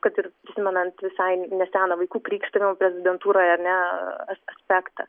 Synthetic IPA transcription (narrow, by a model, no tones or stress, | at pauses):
kɐt̪ɪrpʲɾʲɪsʲɪmʲɛnɐnt̪ʋʲɪsɐɪnʲɛsʲæːnɐʋɐɪkuːkɾʲiːkʃt̪ɐʋʲɪmpʲɾʲɛzʲɪd̪ʲɛnt̪uːɾoːjɐɾʲnʲɛɐsɐsʲpʲæːkt̪ɐ